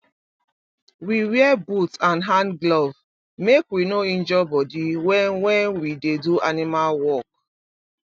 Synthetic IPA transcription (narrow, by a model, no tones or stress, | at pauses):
wiwiɛbutãnɦãnɡlɔv | mekwinoĩnd͡ʒɔbɔdiwɛ̃nwɛ̃nwideduʔanimalwɔk̚